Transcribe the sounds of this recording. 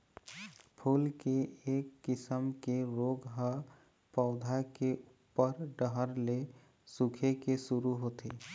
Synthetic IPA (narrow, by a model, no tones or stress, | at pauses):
pʰuːlkeeːkːɪsəmkeɾoɡɦə | pəʊd̪ʱakeupːəɾɖəɦəɾle | sukʰekesʊɾuɦot̪ʰe